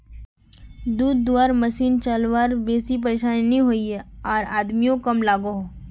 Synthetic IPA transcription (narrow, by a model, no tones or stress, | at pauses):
d̪uːd̪ːuwaːɾmɐsiːnt͡ʃalʋaːɾbeːsip̬ɐɾeːʃaːnnĩɦoːiɛɔːɾaːd̪mijõkɐmlaːɡoɦo